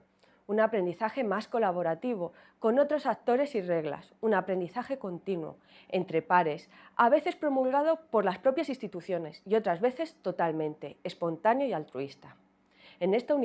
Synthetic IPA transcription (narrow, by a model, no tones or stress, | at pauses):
unapɾe̞nd̪iθaxe̞masko̞laβ̞o̞ɾat̪iβ̞o̞ | ko̞no̞t̪ɾo̞sak̚t̪o̞ɾe̞sire̞ɣla̰sunapɾe̞nd̪iθaxe̞ko̞nt̪inwo̰ | e̞nt̪ɾe̞paɾe̞s | aβ̞e̞θe̞spɾo̞mulɣað̞o̞po̞ɾlaspɾo̞pjasinst̪it̪uθjo̞ne̞sio̞t̪ɾazβe̞θe̞st̪o̞t̪almẽnt̪e̞ːspo̞nt̪anjoialt̪ɾuist̪a | e̞ne̞st̪aun